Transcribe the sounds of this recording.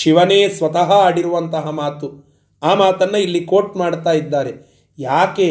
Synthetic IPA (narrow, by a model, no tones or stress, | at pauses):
ʃiʋɐneːsʋɐt̪ɐɦɐaːɽiɾuʋɐnt̪ɐɦɐmaːt̪u | aːmaːt̪ɐnːɐilːikoːʈmaːɽt̪aːjid̪ːaːɾe̞ | jaːke